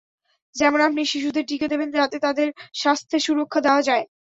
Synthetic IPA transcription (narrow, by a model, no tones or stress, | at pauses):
d͡ʑɛmonapniʃiʃ̬ud̪eɾʈiked̪ebend͡ʑat̪et̪ad̪eɾʃast̪ʰeʃuɾokʰːad̪eoad͡ʑae